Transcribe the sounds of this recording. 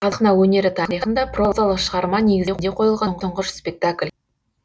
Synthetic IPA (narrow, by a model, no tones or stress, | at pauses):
ɑəqnɑwɵne̞ɾɪt̪ʰɑəɾijχənd̪ɑpro̞zalˠəqʃəʁɑɾmɑne̞ɡʲɪzed̪eqʰo̞jəlˠʁɑɴqʰəɴʁəʃspʲe̞k̚t̪akʲlʲ